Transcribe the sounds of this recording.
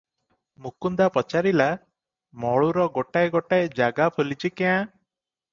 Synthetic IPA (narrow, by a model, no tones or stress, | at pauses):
mukund̪apɔt͡ʃaɾila | mɔɭuɾɔɡoʈajɡoʈajed͡ʒaɡapʰulit͡ʃʰikɛã